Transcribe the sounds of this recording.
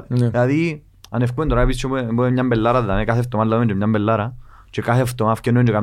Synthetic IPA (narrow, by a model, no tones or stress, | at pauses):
elaði | anefkuend̪oɾaepist͡ʃobuemɲambelːaɾaðːamekaθeft̪omalːamend͡ʒemɲambelːaɾa | t͡ʃekaθeft̪omafcenːnd͡ʒekam